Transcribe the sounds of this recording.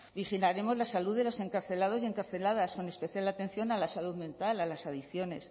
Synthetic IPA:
bixilaɾe̞mo̞zlasaluðe̞lo̞se̞ŋkaɾθe̞lað̞o̞zje̞ŋkaɾθe̞lað̞asko̞ne̞spe̞θjalat̪e̞n̟θjo̞nalasaluðmẽ̞nt̪alalasaðiθjo̞ne̞̰s

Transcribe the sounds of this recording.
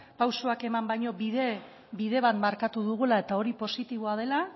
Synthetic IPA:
pawsoake̞mambajɲo̞βiðe | biðe̞β̞at̪maɾkat̪uðuɣ̞ulae̞t̪ao̞ɾipo̞sit̪iβ̞oað̞e̞la

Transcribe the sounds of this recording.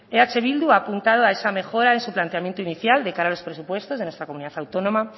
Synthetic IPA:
eat͡ʃe̞β̞ild̪uaːpunt̪að̞oae̞same̞xo̞ɾae̞nsuplant̪eamjent̪oiniθjald̪e̞kaɾaːlo̞spɾe̞supwe̞st̪oðenwe̞st̪ɾakomuniðaθawt̪o̞nõ̞ma

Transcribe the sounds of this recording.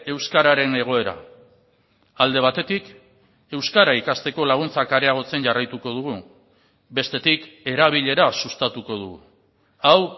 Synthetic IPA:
e̞wskaɾaɾe̞ne̞ɣ̞o̞e̞ɾa̰ | ald̪e̞β̞at̪e̞t̪ik | e̞wskaɾaikast̪e̞ko̞laɣ̞unt͡sakaɾe̞aɣ̞o̞t͡se̞nʝarajt̪uko̞ð̞uɣ̞u | be̞st̪e̞t̪ike̞ɾaβ̞iʎe̞ɾasust̪at̪uko̞ðuɣṵ | aw

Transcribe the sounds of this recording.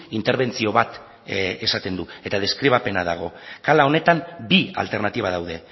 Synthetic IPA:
int̪eɾβe̞nt͡sio̞βat̪ | e̞sat̪e̞nd̪ue̞t̪að̞e̞skɾiβ̞ape̞nað̞aɣ̞o̞kalao̞ne̞t̪ambia̰lt̪e̞ɾnat̪iβaðawð̞e̞

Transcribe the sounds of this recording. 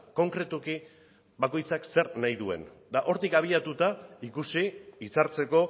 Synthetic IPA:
ko̞ŋkɾe̞t̪uki | bako̞jt͡sakse̞ɾnajðue̞̰nd̪aʔo̞ɾt̪ikaβ̞iat̪ut̪aikusiit͡saɾt͡se̞ko̞

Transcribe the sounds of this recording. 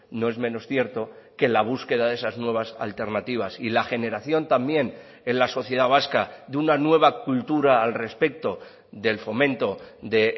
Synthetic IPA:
no̞e̞zmẽ̞no̞sθje̞ɾt̪o̞ke̞laβ̞uske̞ðaðe̞saznwe̞β̞asa̰lt̪e̞ɾnat̪iβ̞asilaxe̞ne̞ɾaθjo̞nt̪ambje̞n | enlaso̞θje̞ð̞aβ̞askaðunanwe̞β̞akult̪uɾaːlre̞spe̞k̚t̪o̞ | ðe̞lfo̞mẽ̞nt̪o̞ðe̞

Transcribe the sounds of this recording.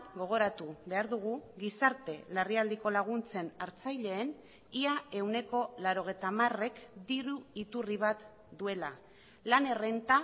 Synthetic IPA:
ɡo̞ɣ̞o̞ɾat̪uβe̞aɾðuɣ̞uɣisaɾt̪e̞lariald̪iko̞laɣ̞unt͡se̞naɾt͡sajʎe̞ːn | iae̞wne̞ko̞laɾo̞ɣ̞e̞jt̪amare̞kd̪iɾuit̪uriβ̞at̪ | d̪ue̞la | lane̞re̞nt̪a

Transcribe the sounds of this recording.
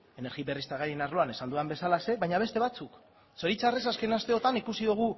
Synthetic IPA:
e̞ne̞ɾɣiβe̞rist̪aɣaɾienaɾlo̞ane̞sand̪uambe̞salase̞βajɲaβ̞e̞st̪e̞β̞at͡suk | so̞ɾit͡sare̞saske̞nast̪e̞o̞t̪anikusiðuɣ̞u

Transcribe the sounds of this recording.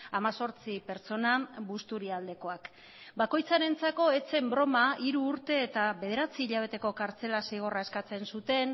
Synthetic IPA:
amaso̞ɾt͡sipe̞ɾt͡so̞nabust̪uɾiald̪e̞ko̞ak | bako̞jt͡saɾe̞nt͡sako̞e̞t͡se̞mbɾo̞maiɾuːɾt̪e̞ːt̪aβe̞ð̞e̞ɾat͡siːʎaβ̞e̞t̪e̞ko̞kaɾt͡se̞lasejɣ̞o̞rae̞skat͡se̞nsut̪e̞n

